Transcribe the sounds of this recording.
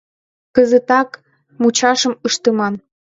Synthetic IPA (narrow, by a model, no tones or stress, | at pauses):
kəzə̆t̪ɑk | mut͡ɕɑʃə̆məʃt̪əmɑn